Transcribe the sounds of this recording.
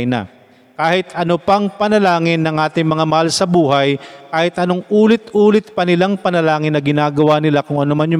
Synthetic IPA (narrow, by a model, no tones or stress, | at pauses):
nɐ̰ | kaːhɪt̪ʔɐnopɐŋpɐnɐlaːŋɪnːɐŋʔaːt̪ɪŋmɐŋamɐhalsɐbuːɦɐjkaːhɪt̪ʔɐno̞ŋʔuːlɪt̪ʔuːlɪt̪̚pɐnɪlaŋpɐnɐlaːŋɪnːɐɡɪnaːɡɐwanɪlakʊŋʔɐnomɐnjʊ